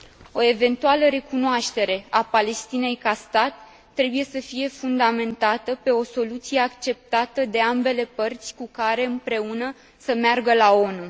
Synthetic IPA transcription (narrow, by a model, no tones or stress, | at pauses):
o̞e̞ve̞nt̪ualəɾe̞kunoaʃt̪e̞ɾe̞apale̞st̪ine̞jkast̪at̪ː | ɾe̞buje̞səfije̞fund̪ame̞nt̪at̪əpe̞o̞so̞lut̪sije̞akt͡ʃe̞p̚t̪at̪əd̪e̞ambe̞le̞pərt̪sʲkukaɾe̞ɨmpɾe̞unə | səmearɡəlao̞nu